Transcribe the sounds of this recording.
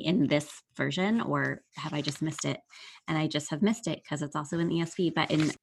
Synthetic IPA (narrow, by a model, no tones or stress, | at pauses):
ʔɪ̃nðɪsv̥ɜ̰˞ʒɨ̃nə˞ɨvaɪd͡ʒʌst̚mɪstɪ̰t̚ɨ̃naɪd͡ʒʌst̚hɨvmɪstɪt̚kʰʌzɨtsɔlˠsoʊɨ̃nʔiɛspibʌ̰ɾʔɨ̰̃n